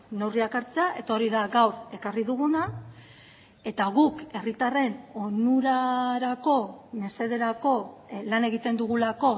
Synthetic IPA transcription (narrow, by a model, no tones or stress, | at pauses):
ne̞wriakaɾt͡seaʔe̞t̪aoɾiðaɡawɾe̞kariðuɣuna | e̞t̪aɣuke̞rit̪are̞no̞nuɾaɾako̞me̞se̞ð̞e̞ɾako̞lane̞ɣ̞it̪e̞nd̪uɣulako̞